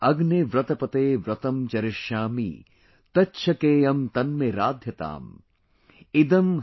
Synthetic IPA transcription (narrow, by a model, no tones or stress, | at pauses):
ɐɡneʋɾɐt̪ɐpɐt̪eːʋɾɐt̪ɐmt͡ʃɐɾɪʃjaːmḭ | t̪ɐtːʃʰɐkeːɐmt̪ɐnmeɾa̰ːd̪ʱjɐt̪a̰ːm | ɪd̪ɐm